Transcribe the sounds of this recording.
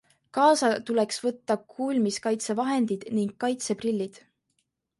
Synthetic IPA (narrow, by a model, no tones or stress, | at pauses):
kɑːsɑt̪ule̞ksvɤt̪ːɑkʰuːlʲmiskɑjt̪sevɑɦe̞nd̪id̪̥niŋɡ̥̚kːɑjt̪se̞prilʲːid̪̥